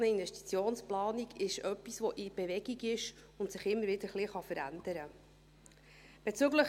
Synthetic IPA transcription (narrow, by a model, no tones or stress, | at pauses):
nəinʋɛʃti̥t͡sjoːnsplɑːniɡɪʃœpːisʋɔʔib̥eʋɛɡ̥iɡɪʃʊntsɪχɪmːəɾʋɪd̪əɾχliχɑfəɾæ̰nd̥̪əɾə | b̥et͡syɡləχ